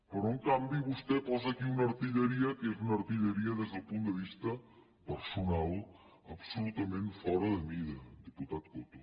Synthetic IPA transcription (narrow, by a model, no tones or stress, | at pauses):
pəɾŋkambiβust̪ɛpɔzaːkiunɐɾt̪iʎəɾiɐkezunɐɾt̪iʎeɾiɐðɛzðəlˠpund̪əβist̪ɐ | pəɾsunalˠ | ɐpsulut̪ɐmẽnfɔɾɐðəmiðɐd̪iput̪at̪̚kot̪o